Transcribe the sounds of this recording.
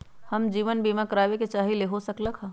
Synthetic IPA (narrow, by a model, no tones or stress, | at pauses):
hɐmd͡ʒiːʋənbiːmakəɾaːʋeket͡ʃaːɦileɦosɐkləkʰɦaː